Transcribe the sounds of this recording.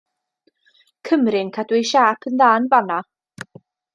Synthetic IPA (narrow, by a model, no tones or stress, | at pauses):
kʰəmrɪnkʰadwɪʃaːpʰənðaːnvana